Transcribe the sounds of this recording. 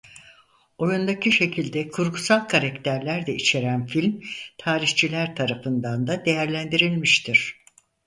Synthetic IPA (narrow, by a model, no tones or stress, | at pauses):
o̞jund̪acʰiʃe̞cʰilʲd̪ɛkʰuɾkʰusalˠkʰaɾakt̪ʰæɾlʲæɾd̪ɛit͡ʃʰe̞ɾænfilʲmt̪ʰaːɾiht͡ʃʰilʲæɾt̪ʰaɾafɯnd̪and̪ad̪e̞jæɾlʲænd̪iɾilʲmiʃt̪ʰiɾ̝̥